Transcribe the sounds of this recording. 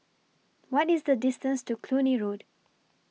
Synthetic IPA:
wɔtizd̪ədɪstə̃nstukʰluniɹod

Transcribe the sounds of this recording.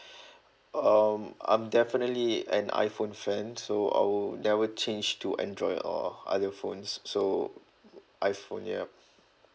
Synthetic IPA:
ʌmã̰ɪ̃mdɛfinətliɛ̃nʔa̰ɪfõnfɛ̃nsoa̰ɪwlnɛvət͡ʃẽnd͡ʒtʰuʔɛ̰̃ndɹɔɪdɔ̰ʔa̰dəfõ̰nsːo | ʔaɪfõ̰njɛ̰

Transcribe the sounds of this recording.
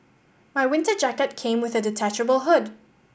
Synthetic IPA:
maɪwɪ̃ntəd͡ʒækɨt̚kʰẽɪ̃mwɪðɨdɪtʰæt͡ʃəbəl̩ˠɦʊd

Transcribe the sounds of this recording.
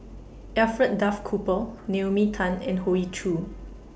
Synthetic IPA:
ɛfɹɛt̚dafkʰupənemitʰãnɛ̰̃nhoit͡ʃʰu

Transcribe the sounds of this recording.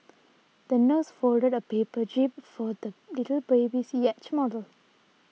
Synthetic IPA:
d̪̥ənəsfɔldədəpepədɹip̚fɔd̪əlitəlbebisjɛt͡ʃmɔdəl

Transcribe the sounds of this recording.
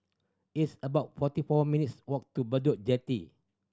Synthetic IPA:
itsəbaʊt̚fɔtifɔmĩnitswɔk̚tubədɔʔ̚d͡ʒɛtḭ

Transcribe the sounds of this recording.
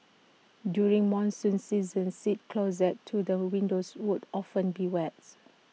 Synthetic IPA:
djuɹĩŋmɔ̃nsə̃nsizə̃nsit̚kʰloz̬ɛtʰːudəwĩndoswudɔfə̃nbiwɛt̚

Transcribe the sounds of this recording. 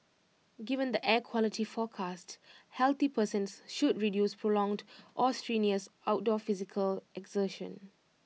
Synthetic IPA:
ɡivə̃nd̪əʔɛkʰwɔlitifɔkʰasthɛlt̪ipəsə̃nsʃud̚ɹidjuspʰɹolɔ̃ŋdʔɔstɹĩniəsʔawt̚dɔfizɪkʰəlɛɡzəʃə̰̃n

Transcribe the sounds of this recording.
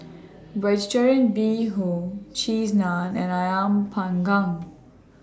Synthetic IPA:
ɹɛd͡ʒtəɹə̃ntbiɦot͡ʃiznãnɛ̃najãmpʰãŋɡãŋ

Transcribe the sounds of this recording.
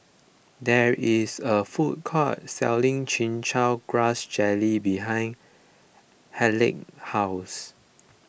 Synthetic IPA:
dɛɹisəfut̚kʰɔt̚sɛ̰lĩŋt͡ʃĩnt͡ʃaɡɹasd͡ʒɛlibiɦãɪ̃n | hɛlɪ̰k̚haʊs

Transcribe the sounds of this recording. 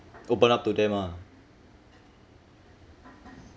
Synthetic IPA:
opənap̚t̪udɛma

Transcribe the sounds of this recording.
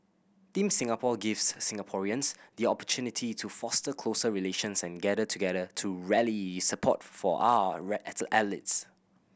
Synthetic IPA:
t̪ĩmsɪ̃ŋapʰɔɡifsːɪ̃ŋəpʰɔɹiə̃nsd̪iɔpə̥tʰunitʰitʰufɔstəkʰlosəɹileʃə̃nsɛ̃nɡɛdətʰuɡɛdətʰuɹɛlisəpʰɔ̰tfɔ̰ʔa̰wəɹɛəʔɛlits

